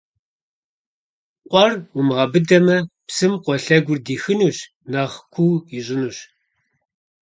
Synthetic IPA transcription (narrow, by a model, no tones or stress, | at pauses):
qʷʼɔrumʁɐbɨdɐmɐpsɨmqʷɔɬɐɡʷʊrdiːxɨnuːɕ | naːʁkʷʰuːiɕʼɪnuːɕ